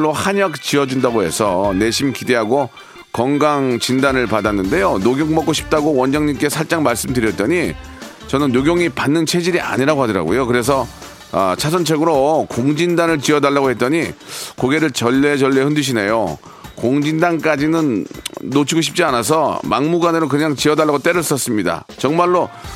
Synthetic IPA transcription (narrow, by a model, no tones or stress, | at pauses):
ɭːohaɲʌk̚t͡ɕiʌd͡ʑundaɡoɦe̞̰sʰʌne̞ɕʰimkide̞ɦaɡo | kʌŋɡaŋt͡ɕindanɯɭpadanːɯnde̞jonoɡjoŋmʌk͈oɕʰi̥p̚t͈aɡowʌnd͡ʑaŋɲimk͈e̞sʰaɭt͡ɕ͈aŋmaɭs͈ɯmdɯɾjʌt̚t͈ʌɲi | t͡ɕʌnɯnːoɡjoŋipanːɯnt͡ɕʰe̞d͡ʑiɾiʔa̰ɲiɾaɡoɦadʌɾa̰ɡo̰jokɯɾe̞s̬ʰʌ | ʌ̰t͡ɕʰas̬ʰʌnt͡ɕʰeɡɯɾokoŋd͡ʑindanɯɭt͡ɕiʌdaɭːaɡohe̞t̚t͈ʌɲikoɡe̞ɾɯɭt͡ɕʌʎːe̞t͡ɕʌʎːehɯndɯɕ̬ʰine̞jo | koŋd͡ʑindank͈ad͡ʑinɯnːot͡ɕʰiɡoɕʰi̥p̚t͡ɕ͈ianas̬ʰʌmaŋmuɡanɯɾok̬ɯɲaŋt͡ɕiʌdaɭːaɡot͈e̞ɾɯɭs͈ʌs͈ɯmɲida̰ | t͡ɕʌŋmaɭːo